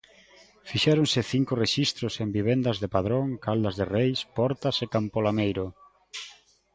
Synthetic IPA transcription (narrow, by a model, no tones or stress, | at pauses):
fiʃɛɾonsɪθiŋkʊreʃist̪ɾʊsembiβ̞end̪azðepað̞ɾoŋkald̪ɐzðerejspɔɾt̪asekampolamejɾo